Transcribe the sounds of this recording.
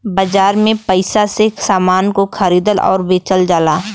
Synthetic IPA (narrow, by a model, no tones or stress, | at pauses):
bɐd͡ʒaːɾmẽpəɪsasesaːmaːnkoxʰəɾiːd̪əlɔ̰ːɾbeːt͡ʃəld͡ʒaːlaː